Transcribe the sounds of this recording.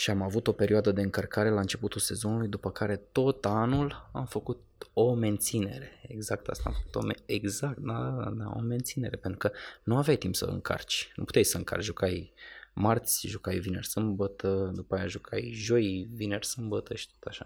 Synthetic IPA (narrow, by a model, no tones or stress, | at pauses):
ʃiamavut̪o̞pe̞ɾioad̪əd̪e̞ɨŋkərkaɾe̞laɨnt͡ʃe̞put̪ulse̞zo̞nulujd̪upəkaɾe̞t̪o̞t̪anula̰mfəkut̪̚o̞me̞nt̪sine̞ɾe̞ḛɡzak̚t̪a̰st̪a̰mfə̥kut̪o̰meeɡzak̚t̪̚d̪ad̪a̰o̰me̞nt̪sine̞ɾe̞pe̞nt̪ɾukənuavjajt̪impsə̰ɨ̰ŋkʰa̰rt͡ʃʲnʔṵpu̥t̪ejsəɨŋkʰa̰rt͡ʃʒukajmart̪sʲʒukajvine̞rsɨmbət̪ʰəd̪upaːjaʒukʰajʒo̞jvinersɨmbət̪əʃi̥t̪ot̪aʃa